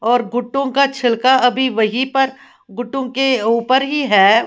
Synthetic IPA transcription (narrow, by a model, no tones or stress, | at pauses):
ɔːɾɡʊʈːõkat͡ʃʰɪlkaɐbʱiʋɐɦipɐɾ | ɡʊʈːõkeuːpəɾɦiɦɛː